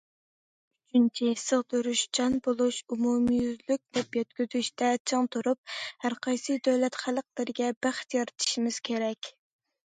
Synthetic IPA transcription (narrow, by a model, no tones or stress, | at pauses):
yt͡ʃʰynt͡ʃʰɪsəʁd̪øɾyʃd͡ʒʰɑnbolˠuʃumumjyzlyk̚ʲd̪ɛpjɛt̪kʲyzyʃt̪ʰɛt͡ʃʰəŋt̪ʰuɾup̚hæɾqʰɑjsɨd̪øwlɛt̪χælˠəqlˠɨɾɪɡʲɛbæχt̪jɑɾɨt̪ʰɨ̥ʃimɪz̥kʲʰeɾɛkʲ